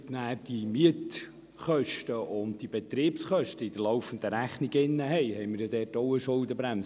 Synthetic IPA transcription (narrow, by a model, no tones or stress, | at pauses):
næːd̥imiət | χœʃtəʔʊnt̚d̥ibet̪ɾiːpsχœʃtəid̥̪əɾlɔwfənd̪əɾæχniɡɪnːəɦɛɪhɛɪmɪɾjɑd̪ɛːtoʊəʃʊldəbɾæms